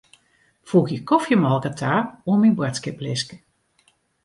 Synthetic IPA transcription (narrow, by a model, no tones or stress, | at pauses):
fuːxjəkɔfjəmɔlˠkətʰaːuminbwɛtskɪplɪskə